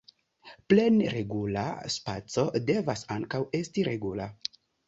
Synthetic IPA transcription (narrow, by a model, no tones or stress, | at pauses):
ple̞nɾe̞ɡula̰spat͡so̞de̞vasaŋkawe̞stiɾe̞ɡula